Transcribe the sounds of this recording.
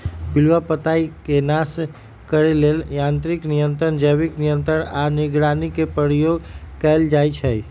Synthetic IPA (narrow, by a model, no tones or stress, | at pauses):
bilwapət̪aikenas | kəɾeleljãnt̪ɾiknijənt̪ɾənd͡ʒəbiknijənt̪ɾəɾaniɡɾanikepəɾjoɡkɛld͡ʒajt͡ʃʰəi